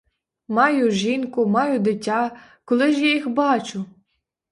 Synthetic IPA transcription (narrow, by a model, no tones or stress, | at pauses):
mɑjʊʒinkʊmɑjʊd̪ɪtʲːɑkɔlˠɪʒjajixbɑt͡ʃʊ